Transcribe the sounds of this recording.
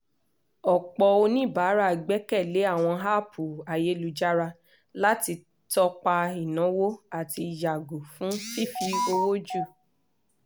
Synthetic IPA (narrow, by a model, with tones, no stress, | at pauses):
ɔ˨k͡pɔ˧o˧nĩ˦˨ba˨˦ɾa˦˨ɡ͡bɛ˨˦kɛ˦˨le˨˦a˦˨w̃ɔ̃˧ɦa˦˨pʰu˨a˨je˨˦lu˧d͡ʒa˦ɾa˧ | la˦ti˧ | tɔ˧k͡pa˧i˨nɔ̃˨˦wo˦a˦˨ti˧ja˨ɡo˨fũ˨˦fi˦fi˧o˧wo˦d͡ʒu˦˨